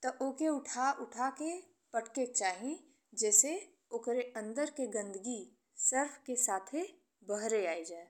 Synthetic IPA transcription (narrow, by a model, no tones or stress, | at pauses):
t̪ɐʔoːkeʊʈʰaʔʊʈʰake | pəʈkek̚t͡ʃaːɦĩ | d͡ʒɛːse | okɾeə̃nd̪əɾkeɡə̃nd̪əɡi | səɾfʰkesaːt̪ʰe | bəɦɾeaːid͡ʒaːe